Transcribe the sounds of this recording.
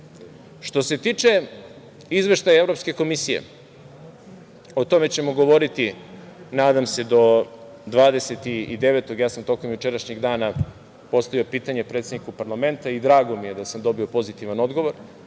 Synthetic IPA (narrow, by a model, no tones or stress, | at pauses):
ʃt̪o̞se̞t̪iːt͡ʂe̞ | izʋe̞ʃt̪ajaevɾo̞pske̞ko̞misijḛ | o̞t̪o̞me̞t͡ɕe̞mo̞ɡo̞ʋo̞ɾit̪inaːd̪amse̞d̪o̞ | d̪ʋaːd̪e̞set̪iid̪e̞ʋet̪o̞ɡjaːsamt̪o̞komjut͡ʃeɾaʃɲeɡd̪aːna | po̞st̪aʋiopiːt̪aɲepɾet̪sed̪nikupaɾlˠame̞nt̪aid̪ɾaːɡomije̞d̪asamd̪o̞bio̞po̞zit̪iʋano̞d̪ɡo̞ʋo̞ɾ